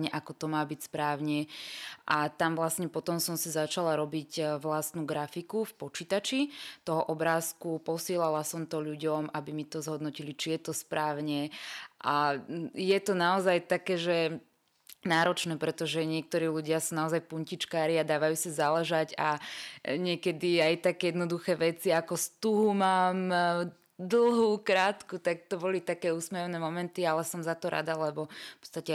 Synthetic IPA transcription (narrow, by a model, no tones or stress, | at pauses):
ɲɛʔakɔt̪ɔmaːbicspɾaːʊɲɛʔat̪amʋlasɲɛpɔt̪ɔmsɔmsizat͡ʃalaɾɔbicʋlast̪nuːɡɾafikufpɔt͡ʃit̪at͡ʃit̪ɔɦɔʔɔbɾaːskupɔsɪɛlalasɔmt̪ɔʎuɟɔmʔabimit̪ɔzɦɔd̪nɔcilit͡ʃijɛt̪ɔspɾaːʊɲɛʔajɛt̪ɔnaɔzajt̪akɛːʒɛ | naːɾɔt͡ʃnɛːpɾɛt̪ɔʒɛɲɪɛk̚t̪ɔɾiːluɟɪasunaɔzajpuɲcit͡ʃkaːɾiad̪aːʋajuːsizalɛʒaɟa̰ | ɲɪɛkɛd̪iajt̪akɛjɛd̪nɔd̪uxɛːʋɛt͡siakɔst̪uɦumaːm | d̪l̩ˠɦuːkɾaːt̪kut̪ak̚t̪ɔbɔlit̪akɛːusmɛɔnɛːmɔmɛnt̪ialɛsɔmzat̪ɔɾʔa̰d̪alɛbɔfpɔ̥t͡sst̪acɛ